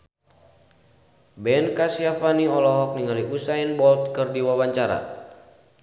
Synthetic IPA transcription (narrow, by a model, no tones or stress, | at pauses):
bɛnkasiafaniɔlɔɦɔk̚niŋaliʔusainbɔlt̪̚kɨrdiwawaɲt͡ʃaɾa̰